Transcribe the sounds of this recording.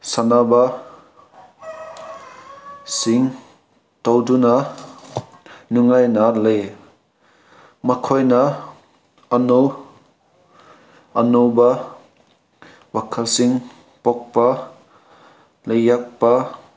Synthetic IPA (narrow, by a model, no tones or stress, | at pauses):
sanaba | siŋ | tɔwduna | nuŋajnalej | mɐkʰɔjna | ɐnow | ɐnowba | wakʰasiŋ | pɔk̚pa | lejːak̚pa